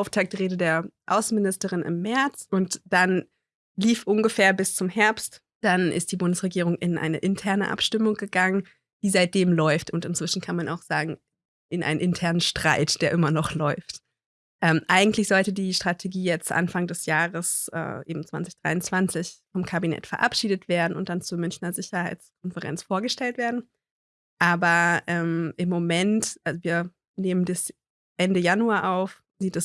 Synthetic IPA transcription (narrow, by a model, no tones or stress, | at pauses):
ʔaʊftʰaːk̚tʁeːdədeːɐʔa̰ʊsn̩mɪnɪstəʁɪnʔɪ̰mːɛɐt͡sʔʊntd̥an | liːfʔʊnɡəfeːɐbɪst͡sʊmhɛɐpst | d̥anʔɪ̰std̥iːbʊndəsʁ̥eɡiːʁ̞ʊŋʔɪnʔa̰ɪnə̰ʔɪntʰɛɐnəʔa̰pʃtɪmʊŋɡəɡaŋən | d̥iːzaɪt̚d̥eːmlɔʏftʊntɪntt͡sv̥ɪʃn̩kʰanmana̰ʊxz̥aːɡŋ̩ | ʔɪnʔa̰ɪnənʔɪntʰɛɐnənʃtʁ̥aɪtd̥eːɐʔɪmɐnɔχlɔʏft | ʔɛmʔaɪɡŋ̩tlɪçz̥ɔltədiːʃtʁ̥atʰeɡiːjɛt͡stʔa̰nfaŋdɛsjaːʁəsʔɛ̰ːʔḛːbm̩t͡sv̥a̰nt͡sɪçd̥ʁ̥a̰ɪʊnt͡sv̥ant͡sɪçfɔmkʰabinɛ̰tfɛɐʔa̰pʃiːdətv̥eːɐdn̩ʊnt̚d̥ant͡suːɐmʏnçnɐzɪçɐhaɪt͡skʰɔnfəʁɛ̰nt͡sfoːɐɡəʃtɛltv̥eːɐdn̩ | ʔaːbɐʔɛːmʔɪmːomɛntʔalzoviːɐ | neːməndɪs | ʔɛndəjanuaːʔaʊf | z̥iːtɛs